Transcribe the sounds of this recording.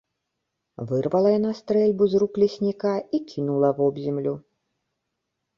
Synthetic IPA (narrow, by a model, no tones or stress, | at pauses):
vɨrvɐlˠɐjanast̪ɾɛlʲbuzruklʲisʲnʲikaikʲʰinulˠɐvɔbzʲɛmlʲu